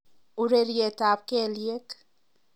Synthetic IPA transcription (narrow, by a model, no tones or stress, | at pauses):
uɾeɾiet̪aːp̚keliek